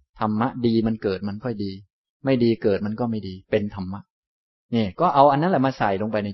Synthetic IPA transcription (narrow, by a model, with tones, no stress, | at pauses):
t̪ʰa˧mːa˦˥ʔdiː˧ma˧nkɤː˨˩t̪̚ma˧nkʰɔ˥˩jdiː˧ | ma˥˩jdiː˧kɤː˨˩t̪̚ma˧nkɔː˥˩ma˥˩jdiː˧pe˧nt̪ʰa˧mːa˦˥ʔ | niː˥˩kɔː˥˩ʔa˧wʔa˧nːa˦˥nlɛ˨˩maː˧sa˨˩jlo˧ŋpa˧jna˧